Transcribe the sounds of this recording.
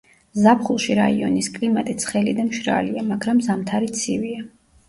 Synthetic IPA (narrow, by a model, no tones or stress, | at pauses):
zapʰχulˠʃiɾaiɔ̰niskʼlimat̪ʼit̪sʰχɛlid̪amʃɾa̰liamaɡɾamzamt̪ʰaɾit̪sʰivia